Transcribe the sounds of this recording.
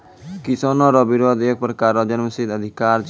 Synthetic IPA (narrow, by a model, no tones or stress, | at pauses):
kisonoɾɔbiɾod̪ek̚pɾɔkaɾɔd͡ʑenməsid̪əd̪ʱikaɾt͡ʃ